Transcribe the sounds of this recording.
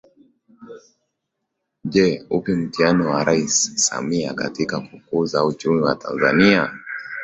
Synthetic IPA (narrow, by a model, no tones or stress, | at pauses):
ʄɛupim̩tianɔwaɾʔaissa̰miaka̰tikakukuzaut͡ʃumiwata̰nza̰nia